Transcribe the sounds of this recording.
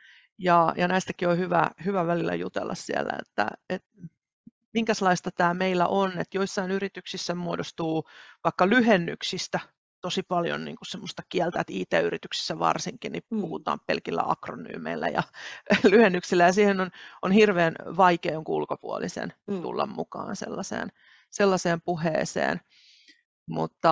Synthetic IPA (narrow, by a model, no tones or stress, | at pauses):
jɑjɑnæist̪ækiohyʋæ̰hyʋæʋælilːæ̰jut̪ḛlːɑ̰ssiæ̰lːæ̰ḛt̪ːæ̰et̪ | miŋkæslɑist̪ɑt̪æːmeilːæ̰ʔonet̪joisːɑinyrit̪yksisːæmuodost̪uːʋɑikːɑlyhenːyksist̪æ | t̪osipɑljo̰nnḭːŋkussemːost̪ɑkiælt̪æt̪iːt̪eːyrit̪yksi̥sːæʋɑ̰rsiŋkinnipuhut̪ɑ̰ːmpḛlkilːæ̰ɑ̰krony̰ːmeilːæ̰jɑ̰lyhenːyksilːæjɑsiːhenononhirʋeːnʋɑikeːjoŋkuulkopuolisḛnt̪ṵlːɑ̰mmṵkɑ̰ːnsḛlːɑsḛːn | selːɑseːmpuhḛːsḛːn | mṵt̪ːɑ